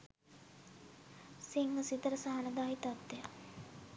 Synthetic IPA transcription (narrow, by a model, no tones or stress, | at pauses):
siŋʋəsit̪əɾəsaɦanəd̪aːɦit̪at̪ːeja